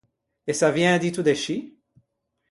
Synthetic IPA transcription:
esavjɛ̃d̪it̪ud̪eʃi

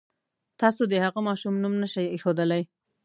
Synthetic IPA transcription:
t̪ɑsod̪əhaɣəmɑʃumnumnaʃajexod̪əlaj

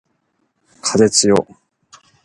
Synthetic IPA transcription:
kʰazet͡sɨjo̰

